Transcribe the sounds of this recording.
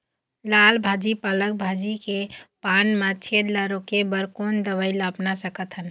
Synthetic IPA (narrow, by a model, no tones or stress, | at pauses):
lalbʱad͡ʒipalək̚bʱad͡ʒikepaːnmat͡ʃʰed̪laɾokebəɾkond̪əʋəɪləpnasəkət̪ɦən